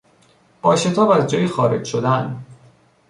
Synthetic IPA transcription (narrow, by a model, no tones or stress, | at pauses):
b̥ɒːʃe̞t̪ʰɒːbæzd͡ʒɒːjexɒːɾe̞d͡ʒʃod̪æn